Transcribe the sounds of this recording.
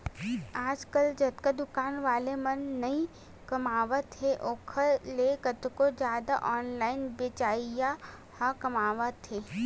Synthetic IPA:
aːd͡ʒkəld͡ʒɐt̪kad̪ʊkaːnʋaːlemɐnːɐĩ | kɐmaːʋət̪ʰɦeʔoːkʰəɾlekɐt̪kod͡ʒjaːd̪a̰ʔɔːnlaːɪnbɪt͡ʃaːja | hakɐmaːʋət̪ʰeː

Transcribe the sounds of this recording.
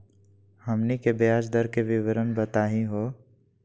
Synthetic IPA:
hɐmnikebjaːd͡ʒd̪əɾkeʋɪʋɾənbət̪aːɦĩɦoː

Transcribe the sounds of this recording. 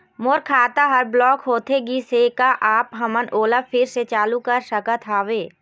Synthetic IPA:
moːɾkʰaːt̪aɦɐɾblɔːkɦoːt̪eɡisekaʔaːpɦɐmənoːləfʰɪɾset͡ʃaːlukəɾsəkət̪ʰaːʋeː

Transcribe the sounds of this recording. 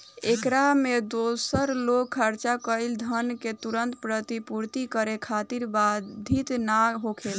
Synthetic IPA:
ekɾamed̪osəɾlokʰəɾt͡ʃakəɪld̪ʱənket̪uɾənt̪pɾət̪ipuɾt̪ikəɾekʰat̪iɾbad̪ʱit̪naɦokʰel

